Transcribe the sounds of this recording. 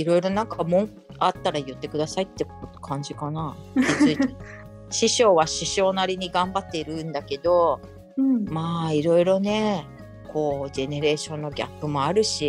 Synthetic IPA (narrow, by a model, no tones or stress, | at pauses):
iɾo̞iɾo̞nãŋkamõ̞ŋ | at̪ːaɾajɯ̟t̪ːe̞kɯ̟d̪asait̪ːe̞k̪kʰãɲ̟d͡ʑikanakʲit͡sɨie | ɕiɕo̞ːβaɕiɕo̞ːnaɾʲiɲ̟iɡãmbat̪ːe̞iɾɯ̟̃nd̪ake̞d̪o̞ | maːiɾo̞iɾo̞ne̞ | kʰo̞ːʑe̞ne̞ɾe̞ːɕõ̞nːo̞ɡʲa̰pːɯ̟mo̞aɾɯ̟ɕi